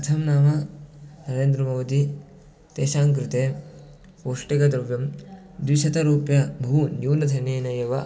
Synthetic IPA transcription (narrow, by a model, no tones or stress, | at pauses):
ɐt̪ʰɐmnaːmɐnɐɾeːnd̪ɾɐmɐʋɐd̪i | t̪eːʃaːŋkɾɪt̪eː | poːʂʈikɐd̪ɾɐʋjɐm | d̪ʋiʃɐt̪ɐɾuːpjɐbʱɐɦunjuːnɐt̪ʰɐneːnɐjɐʋɐ